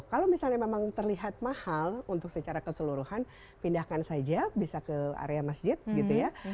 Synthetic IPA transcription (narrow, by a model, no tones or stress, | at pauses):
kalomisalɲamemaŋt̪ərliɦat̪̚mahalunt̪ʊk̚sət͡ʃaɾakəsəluɾuhan | pindahkansad͡ʒabisakəa̰ɾeamasd͡ʒɪt̪̚ɡit̪uja